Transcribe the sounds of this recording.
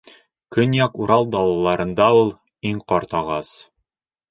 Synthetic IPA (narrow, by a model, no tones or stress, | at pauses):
kɵnjɑkuɾɑlˠd̪ɑlˠɑlˠɑɾɤ̆nd̪ɑulˠ | iɴqɒɾt̪ɑʁɑs